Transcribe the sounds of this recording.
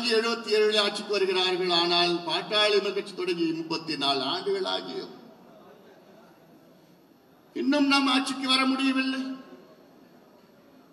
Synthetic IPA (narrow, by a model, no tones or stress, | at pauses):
ieɻubɐt̪ːieɻubɐlaːt͡ɕikʲːɨʋɐɾuɣɾaːɾuɣɐɭaːɳaːɭpaːʈːaːjɭumɐkːɐt͡ɕːɨ̥t̪ːoɽɐŋɡiimbɐt̪ːinaːɭaːɡɨɣɐɭa̰ːɡɐ̰jo̰ | inːenːaːmaːt͡ɕikʲːɨʋɐrɐmuɽijɐʋɐlːɐ